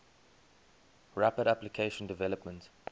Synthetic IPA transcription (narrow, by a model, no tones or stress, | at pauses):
ɹapədaplikʰeɪʃə̃ndɪvɛləpmə̃nt